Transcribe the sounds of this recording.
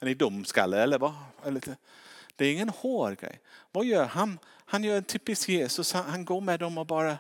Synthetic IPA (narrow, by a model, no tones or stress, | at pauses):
ɛnɪd̪ʊmska̰lːəɛlːəɾvɑɛlːɪt̪əd̪̥ɛæɾɪŋːənhoːɾɡɾɛ̰jvɑːjœːɾɦan | hanjœːɾɛnt̪ʰyːpɪskjeːsɵshanhanɡoːɾmɛd̪ɔmɔbɑːɾə